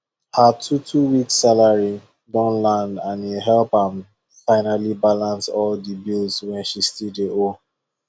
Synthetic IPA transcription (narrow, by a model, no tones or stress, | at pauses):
hatʰutʰuwiksalaɹi | dɔ̃nlãndãniɦɛlpãm | fãɪnalibalãnsɔldibilzwɛ̃nʃistideʔo